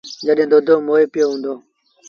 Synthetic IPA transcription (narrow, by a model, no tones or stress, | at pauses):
d͡ʒəɗẽːd̪oːd̪ʱoːmoːeːpɪjoːɦũːnd̪oː